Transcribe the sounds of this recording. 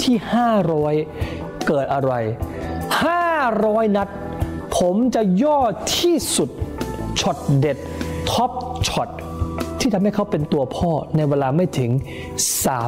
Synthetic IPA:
t̪ʰiː˥˩haː˥˩ɾɔː˦˥j | kɤː˨˩t̪̚ʔa˧ɾa˧j | haː˥˩ɾɔː˦˥jna˦˥t̪̚ | pʰo˩˦mt͡ɕa˨˩jɔː˥˩t̪ʰiː˥˩su˨˩t̪̚t͡ɕʰɔ˨˩t̪̚de˨˩t̪̚ʰɔ˦˥p̚t͡ɕʰɔ˨˩t̪̚ | t̪ʰiː˥˩t̪ʰa˧mha˥˩jkʰa˦˥wpe˧nt̪u˧ɐpʰɔː˥˩na˧jweː˧laː˧ma˥˩jt̪ʰɯ˩˦ŋ | saː˩˦

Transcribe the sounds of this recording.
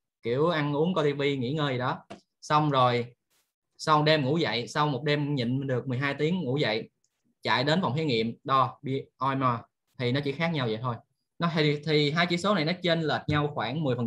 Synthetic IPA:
ki˧˩əwʔa˧nʔu˨˦əŋko˧t̪i˧vi˧ŋḭ˧˥ŋəː˧jzi˨˩ɗɔ˨˦ | sa˧wŋ͡mzo˨˩j | sa˧wŋ͡mɗe˧mŋṵ˧˥za̰˧˨jsa˧wmo˨˩t̚ɗe˧mɲḭ˧˨n˨˩nɗɨ˨˩ək̚mɨ˨˩əjɦaː˧jt̪i˨˦əŋŋṵ˧˥za̰˧˨j | t͡ɕa̰ː˧˨jɗe˨˦nva˨˩wŋ͡mt̪i˨˦ŋḭ˧˨əmɗɔ˧ɓi˧ʔɔ˧jmaː˧ | t̪ʰi˨˩nɔ˨˦t͡ɕḭ˧˥xaː˦˥k̚ɲa˧wzə̰˧˨t̪ʰo˧j | nɔ˨˦i˨˩t̪ʰi˨˩ɦaː˧jt͡ɕḭ˧˥so˨˦na˨˩jnɔ˨˦t͡ɕe˧nləː˨˩t̚ɲa˧wxwaː˧˩ŋmɨ˨˩jfə˨˩

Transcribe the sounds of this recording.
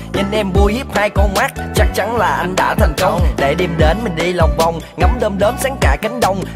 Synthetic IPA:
ɲɨ˧nʔɛ˧mɓu˧əjhi˦˥p̚haː˧jko˧maː˦˥k̚t͡ɕa˦˥k̚t͡ɕa˨˦nlaː˨˩ʔa˧jŋ̟ɗa̰ː˧˥t̪ʰa˨˩ŋ̟kə˧wŋ͡mɗe˧˩ɗi˨˩əmɗe˨˦nmï˨˩ŋ̟ɗi˧lwk͡p̚va˨˩wŋ͡mŋə˨˦mɗəː˧mɗəː˨˦nsaː˨˦ŋkaː˧˩ki˨˦ŋ̟ɗə˧wŋ͡m

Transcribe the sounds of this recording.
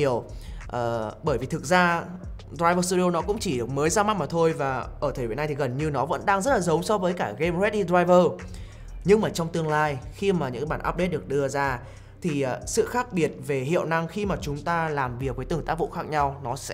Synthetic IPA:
əwʔəː˨˩ɓəː˧˩jvi˨˩t̪ʰɨ˨˩k̚zaː˧ | ɗɾaː˧jvəː˧st̪u˧i˧o˧nɔ˨˦kʊ̰˧˥ŋ͡mt͡ɕi˧˩˨ɗɨ˨˩ək̚məː˨˦jzaː˧ma˦˥t̚maː˨˩t̪ʰo˧jvaː˨˩ʔəː˧˩t̪ʰe˨˩ve˨˩na˧jt̪i˨˩ɣə˨˩nɲɨ˧nɔ˨˦və̰˧˥nɗaː˧ŋzə˦˥t̚laː˨˩zə˨˦wŋ͡msɔ˧vəː˨˦jkaː˧˩ɣe˧mzwɛ˦˥t̚ɗi˧dɾaː˧jvəː˧ | ɲɨ˧ŋmaː˨˩t͡ɕɔ˧wŋ͡mt̪ɨ˧əŋlaː˧jxi˧maː˨˩ɲɨ̰˧˥˧ɓaː˧˩nʔaː˦˥p̚ɗe˦˥t̚ɗɨ˨˩ək̚ɗɨ˧əzaː˧ | t̪ʰi˨˩ʔsɨ̰˧˨xaː˦˥k̚ɓi˨˩ət̚ve˨˩hḭ˧˨əwna˧ŋxi˧maː˨˩t͡ɕʊ˨˦ŋ͡mt̪aː˧laː˨˩mvi˨˩ək̚vəː˨˦jt̪ɨ˧˩əŋt̪aː˦˥k̚vṵ˧˨xaː˦˥k̚ɲa˧wnɔ˨˦sɛ̰˧˥

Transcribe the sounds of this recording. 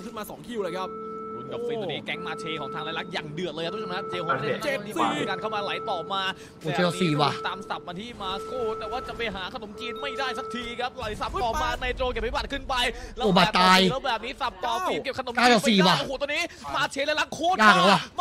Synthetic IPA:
kʰɯ˦˥˩nmaː˧sɔː˩˦ŋkʰi˧˩˨wləː˧jkʰa˦˥p̚ | ko˧˩nka˨˩wɔː˧niː˦˥kɛ˦˥ŋmaː˧t͡ɕʰeː˧kʰɔː˩˦ŋt̪ʰa˧la˧jla˦˥k̚jaː˨˩ŋdɯ˨˩ət̪̚lːka˦˥t̪ʰːkʰa˥t͡ɕeː˧o˨˧˩e˧˨˧kaː˧nkʰa˥˩wmaː˧la˨˦jt̪ɔː˨˩maː˧ | oː˨˧˩eː˧ɔ˨˩siː˨˩wa˧˩t̪aː˧msa˨˩p̚maː˧t̪ʰiː˥˩maː˧kʰuː˥˩t̪ɛː˨˩waː˥˩t͡ɕa˨˩pa˧jɦaː˩˦kʰa˧no˩˦mkiː˧nma˥˩jdaː˥˩jsa˦˥k̚t̪ʰiː˧kʰa˦˥p̚la˨˦jsa˨˩p̚t̪ɔː˨˩maː˧na˧jt̪ɾoː˧ke˨˩p̚ʰːi˦˥˩baː˨˩t̚kʰɯ˥˩npa˧jlɛː˦oː˧˩baː˧˨˩t̪aː˧jbɛː˨˩p̚niː˦˥sa˨˩p̚t̪ɔː˨˩kiː˧˩ke˨˩kʰa˧no˩˦ka˥˩jɔː˨˩siː˨˩waː˧˩a˧˩huː˧˩t̪ɔː˧niː˦˥maː˧t͡ɕʰeː˧laː˧jla˦˥k̚kʰuː˦˥aː˥˩˧la˨˦wa˧˩m

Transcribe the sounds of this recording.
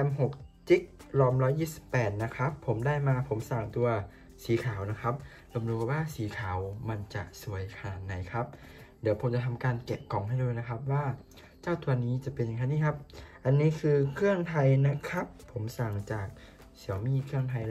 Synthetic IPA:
ɛ˧mɦo˨˩k̚t͡ɕi˦˥k̚lɔː˧mlɔː˦˥jiː˥˩si̥˨˩pːɛː˨˩t̪̚na˦˥kʰa˦˥pʰːo˨˩˦mdaː˥˩jmaː˧pʰo˩˦msaː˨˩ŋt̪u˧ɐ | siː˨˩˦kʰaː˨˩˦wna˦˥kʰa˦˥p̚ | lo˧mduː˧k̚waː˥˩siː˩˦kʰaː˩˦wma˧nt͡ɕa˨˩su˨˩˦jkʰa˧naː˨˩t̪̚na˩˦jkʰa˦˥p̚di˨˩˦pʰo˩˦mt͡ɕa˨˩t̪ʰa˧mkaː˧nke˨˩p̚kɔ˨˩˦ŋhɦa˥˩jduː˧˥˩jna˦˥kʰa˦˥p̚waː˥˩ | t͡ɕaː˥˩wt̪ʰu˧ɐniː˦˥t͡ɕa˨˩pe˧nja˨ŋkʰa˧˥niː˧˥˩kʰa˦˥p̚ʔa˧nːiː˦˥kʰɯː˧kʰɯ˥˩əŋt̪ʰa˧jna˦˥kʰa˦˥pʰːo˩˦msaː˨˩ŋt͡ɕaː˨˩k̚ | si˩˦əwmiː˧˥˩kʰɯ˥˩əŋt̪ʰa˧j

